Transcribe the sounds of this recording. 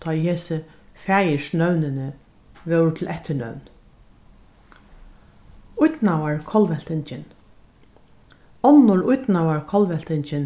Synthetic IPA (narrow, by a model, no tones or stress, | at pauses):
t̪ʰɑːjheːsɪfæːjɪʃnœwnɪnɪ | ʋœwɾt̪ʰɪlʔɛht̪ːɪɳœ̰wn | ʊjt̪nawaɹkʰɔlʋɛl̥t̪ɪnt͡ʃɪn | ɔmnʊɹʊjt̪nawaɹkʰɔlʋɛl̥t̪ɪnt͡ʃɪn